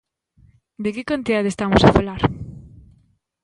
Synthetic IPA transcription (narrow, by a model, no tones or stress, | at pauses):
d̪ekekant̪iðaðest̪amosafalaɾ